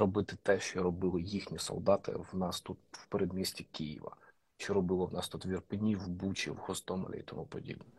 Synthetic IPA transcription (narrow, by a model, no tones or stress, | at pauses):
ɾɔbɪt̪ɪt̪ɛʃt͡ʃɔɾɔbɪlˠɪjixnʲisɔ̰lˠd̪ɑt̪ɪ̰wnɑst̪ut̪wpeɾɛd̪mʲisʲtʲikijḭʋɐ̰ | ʃt͡ʃɔɾɔbɪlˠɔwnɑst̪ut̪ʋʲirpɪnʲiwbut͡ʃʲḭwhɔst̪ɔmɐ̰lʲɛ̰ḭt̪ɔmupɔdʲḭbnʲi